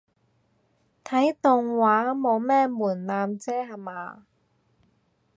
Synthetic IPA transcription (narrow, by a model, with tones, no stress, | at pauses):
t̪ʰɐ˨˥jt̪ʊ˨ŋwaː˨˥mo˨˧wmɛː˥muː˨˩nlaː˧mt͡sɛː˥ɦɐ˨˧maː˨˧